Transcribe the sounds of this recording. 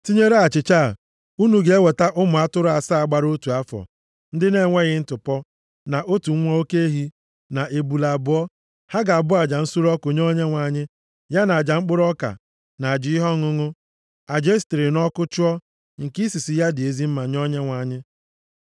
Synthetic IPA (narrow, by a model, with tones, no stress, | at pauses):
ti˦ɲe˦ɾe˦a˨t͡ʃɪ˨t͡ʃa˦˨ | u˦nu˨ɡe˨e˦we˨ta˦ʔʊ˦mʊ˨a˦tʊ˦ɾʊ˦a˨sa˦a˨ɡ͡ba˨ɾo˦tu˨a˦fɔ̰˨ | n̩˦dɪ˦ne˦˨ŋʷe˦ɣɪ˦n̩˦tʊ˨pɔ˦ | na˨ʔo˦tu˨ŋ̩ʷ˦ɔ˦o˦ke˦e˦ɦi˦ | na˨ʔe˨bu˨la˨bʊ˨˦ɔ˦ | ha˦ɡa˨a˨bʊ˦a˨d͡ʒa˨n̩˦su˦ɾɔ˦kʊ˨ɲɔ˦ɲe˦ŋʷa˨ɲɪ˦ | ja˦na˨a˨d͡ʒa˨ŋ͡m̩˦k͡pʊ˦ɾɔ˦ka̰˨ | na˨a˨d͡ʒɪ˨ɪ˦ɦɔ˦ŋʊ˦ŋʊ˦ | a˨d͡ʒe˦stɪ˨ɾɪ˨nɔ˦kʊ˦t͡ʃʊ˦ɔ˦ | ŋ̩˨ki˦si˨si˨ja˦dɪ˨e˨zi˦m̩˦ma˨ɲɔ˦ɲe˦ŋʷa˨˦˨ɲɪ˦